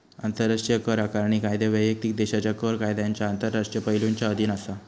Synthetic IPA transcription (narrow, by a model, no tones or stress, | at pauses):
ant̪əɾːaʂʈjəkəɾakaɾɳikajd̪eʋəjʋək̚t̪ik̚d̪eɕat͡ɕakəɾkajd̪jaɲt͡ɕjaant̪əɾːaʂʈjəpəɦiluɲt͡ɕaəd̪ʱinasa